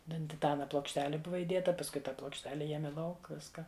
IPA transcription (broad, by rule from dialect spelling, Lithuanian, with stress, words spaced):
ˈtʲɛn tʲɪˈtɑːnɐ plˠoːkʃʲˈtʲæːlʲɪ ˈbʊʋɐ ɪˈdʲeːtɐ pɐsˈkʊɪ ˈtɑː plˠoːkʃʲˈtʲæːlʲɛ ˈjiɛmʲɪ ˈlˠɐʊk ˈʋʲɪskɐ